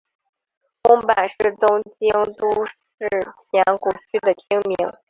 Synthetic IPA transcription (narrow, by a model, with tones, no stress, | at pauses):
kʊ˥ŋpa˨˩nʂɻ̩˥˩t̪ʊ˥ŋt͡ɕi˥ŋt̪u˥ʂɻɻ̩˥˩t͡ɕʰjɛ˧˥nku˧˩t͡ɕʰy˥d̪ə˨t͡ɕʰi˥ŋmi˧˥ŋ